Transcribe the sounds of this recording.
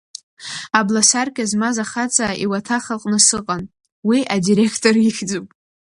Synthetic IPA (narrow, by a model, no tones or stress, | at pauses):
ablasarkʲʼazmazaχat͡sʰʼaḭwatʰaχalqʼnɨsɨqʼan | wiʔadiɾe̞kʰtʰʼoriχʲd͡zupʼ